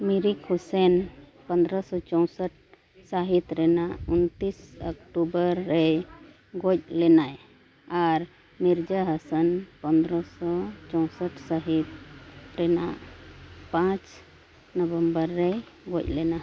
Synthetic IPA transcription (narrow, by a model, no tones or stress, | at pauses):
miɾikhusɛn | pənd̪ɾɔsɔt͡ʃɔw̃səʈ̚ | saɦit̪ɾɛnaʔunt̪isəkʈubəɾːɛj | ɡɔc̚lɛnaj | aɾ | miɾd͡ʒəɦəsənpənd̪ɾɔsɔt͡ʃɔw̃səʈsaɦit̪̚ɾɛnaʔpãt͡ʃ | nɔbəmbəɾːɛ | ɡɔc̚ˀlɛna